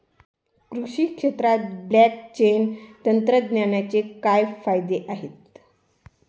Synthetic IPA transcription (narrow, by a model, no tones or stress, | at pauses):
kɾuʂiːkʂet̪ɾat̪̚blæk̚t͡ɕent̪ənt̪ɾəd̪njanjat͡sekajfajd̪eʔaɦet̪